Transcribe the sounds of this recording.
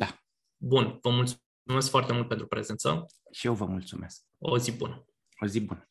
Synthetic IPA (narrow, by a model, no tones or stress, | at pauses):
d̪a | bunvəmults | ume̞skfoart̪e̞mult̪pet̪ɾupɾe̞zent̪sə̰ | ʃijewvəmult̪sume̞sk̚o̰zibṵn | ozibun